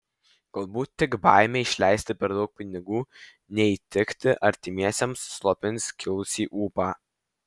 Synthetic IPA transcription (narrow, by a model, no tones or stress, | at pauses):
ɡ̥ɐlˠbuːt̪ʲːɪɡbɑːɪmʲeːɪʃʲlʲɛɪsʲt̪ʲɪpʲɛɾd̪ɒʊk̚pʲɪnʲɪɡuː | nʲɛiːt̪ʲɪkt̪ʲɪʔɐɾʲt̪ʲɪmʲiɛsʲɛmsːlˠɔpʲɪnʲsʲkʲɪlˠʊsʲiːʔuːpɑː